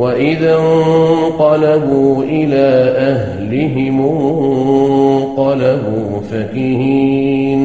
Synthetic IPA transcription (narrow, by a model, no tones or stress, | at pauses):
waʔɪðaŋqɑlabuːʔɪlaːʔaɦ | lɪɦɪmʊ | qɑlabuː | fakiɦiːn